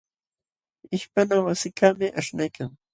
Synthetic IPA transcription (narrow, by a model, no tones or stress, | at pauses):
ɪʃpanawasɪkamɪʔaʃnajkʰaŋ